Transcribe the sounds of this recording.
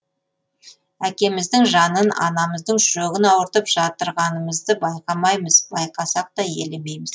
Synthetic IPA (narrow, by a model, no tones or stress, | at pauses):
ækʲe̞mɪzd̪ɪŋʒɑnənɑ̰nɑməzd̪əɴʒoɡɪnɑwəɾt̪əpʒ̥ɑt̪əɾʁɑnəməzd̪əbɑjqɑmɑjməzbɑjqɑsɑq̚t̪ɑje̞leme̞jmɪz